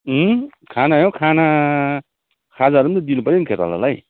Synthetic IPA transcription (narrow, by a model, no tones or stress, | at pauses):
kʰanajõkʰana | kʰad͡zaɾumt̪ʌd̪inupʌɾinkʰet̪a̰la̰laj